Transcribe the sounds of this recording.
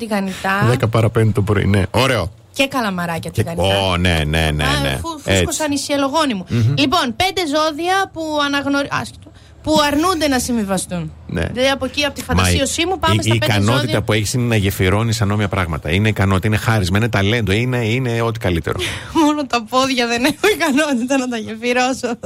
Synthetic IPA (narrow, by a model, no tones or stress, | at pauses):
t̪iɣɐnit̪ɐðekɐpɐɾɐpend̪et̪opɾoḭneo̞ɾe̞o | ce̞kɐlɐmɐɾɐcɐt̪ɣɐnione̞ne̞̰nḛḛfufosɐnisiɐlo̞ɣo̞nimulipo̞npe̞nd̪e̞zo̞ðiɐpuɐnɐɣno̞ɾɐ̰sçi̥t̪o | puɐɾnund̪e̞nɐsiɱvivɐst̪unnḛɐðiɐpociɐpot̪ifɐnmd̪ɐsio̞simupɐesɐːpekɐno̞t̪it̪ɐpueçi̥sinenɐʝefiɾo̞nisɐno̞miɐpɾɐɣmɐt̪ɐ̰ine̞ikɐnot̪it̪ɐine̞xɐɾizmɐinet̪ɐle̞nd̪o̞ine̞ine̞o̞t̪i̥kɐlit̪e̞ɾomonot̪ɐpoðʝɐðenexoikɐnot̪it̪ɐnɐt̪ɐʝe̞fiɾoso